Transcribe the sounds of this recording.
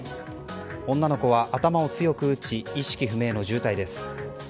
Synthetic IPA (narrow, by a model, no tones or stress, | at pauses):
õ̞nːano̞ko̞βaʔat̪amao̞t͡sɨjo̞kɯ̟ːt͡ɕiiɕi̥kʲiɸɯ̟me̞ːno̞ʑɨːt̪aid̪e̞sɨ̥